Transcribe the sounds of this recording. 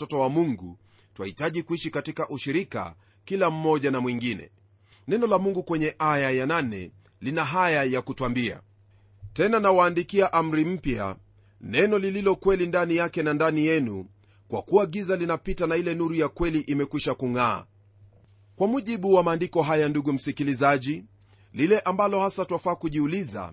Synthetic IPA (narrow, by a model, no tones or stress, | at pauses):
tɔtɔwamuŋɡṵ | twa̰hitaʄikuiʃikatikaʔuʃiɾika̰ | kilam̩mɔʄanamwiŋɡinɛ̰ | nɛnɔlamuŋɡukwɛɲɛʔajajananɛ̰ | linaɦajajakutwambia̰ | tɛnanawaːndikiaʔam̩ɾim̩pja̰ | nɛnɔlililɔkwɛlindanijakɛnandanijɛnṵ | kwa̰kuaɠizalinapitanailɛnuɾujakwɛliʔimɛkwiʃakuŋa̰ː | kwamuʄiɓuwamaːndikɔɦajanduɠum̩sikilizaʄi | lilɛʔambalɔhasatuwafaːkuʄiuliza̰